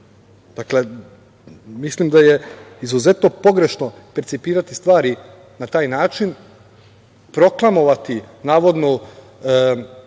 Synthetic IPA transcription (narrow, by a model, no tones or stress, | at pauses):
d̪̥akle | mislimd̪aje̞izuze̞t̪no̞po̞ɡɾe̞ʃno | peɾt̪sipiːɾat̪ist̪ʋaːɾi | nat̪aːjnaːt͡ʃin | pɾo̞klˠamo̞ʋat̪inaːʋo̞d̪no